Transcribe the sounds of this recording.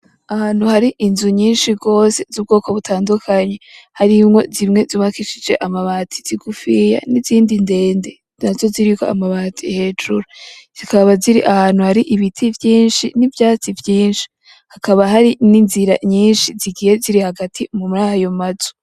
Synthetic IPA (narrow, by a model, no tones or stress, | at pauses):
ahaːn̥huhaɾiʔinzuɲiːnʃibɡo̞ːse̞zub̚ɡo̞ːko̞βutʰaːndukʰaɲe̞haɾimŋo̞zimŋe̞ziβakiʃid͡ʒe̞ʔamaβaːtʰiz̥iɡufija̰niziːndinde̞ːnde̞ | nazo̞ziɾikoa̰maβaːtʰihe̞ːd͡ʒuɾaz̥ikaβaziɾiʔahaːn̥huhaɾiʔiβitʰivjiːnʃinivjaːt͡sivjiːnʃi̥ | hakaβaɦaɾininziɾa̰ɲiːnʃiziɡiːje̞ziɾihaɡatʰimumuɾaːhajomazu̥